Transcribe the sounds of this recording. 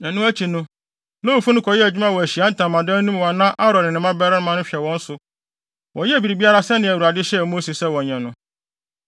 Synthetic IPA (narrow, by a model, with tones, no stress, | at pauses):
ɛ̃˨nʊ̃˦æ˦t͡ɕʰi˨nʊ̃˦ | nõ˦u˨fu˦nʊ̃˦kʰɔ˨jɛ˦æ˨d͡ʑᶣu˦mã˦wɔ˨æ˨ɕi˨a˦n̩˦tʰã˨mːã˨dã˦nũ˦m˨wa˨nã˦ʔa˦ɾɔ̃˨nɪ̃˨nɪ̃˨mã˦bɛ˦ɾɪ̃˦ñ˦mã˦nʊ̃˦ɕᶣɛ˨wɔ̃˦n̩˦sʊ˨ | wʔɔ̃˨jɛ˦æ˨bi˨ɾi˨bi˦a˦ɾa˦sɛ˦nɪ̃˨æ˨wu˨ɾa˨dɪ˦ɕɛ˦˨mo˦se˨sɛ˦˨wɔ̃˨ɲɛ̃˨nʊ̃˨˦